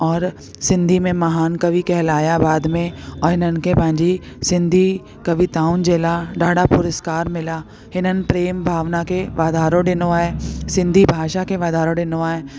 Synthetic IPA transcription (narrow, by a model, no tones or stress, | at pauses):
ɔːɾ | sɪ̃nd̪ʱimẽmɐɦaːnkɐʋikɛɦlaːjabaːd̪mẽɔːɾɦɪnənkepãːɲd͡ʒi | sɪ̃nd̪ʱi | kɐʋit̪aːʊnd͡ʒeːlaɖaːɽapʊɾəskaːɾmɪla | ɦɪnənpɾeːmbʱaːʋnakeʋaːd̪ʱaːɾõɖɪnoaːesɪ̃nd̪ʱibʱaːʃakeʋaːd̪aːɾõɖɪnoaːe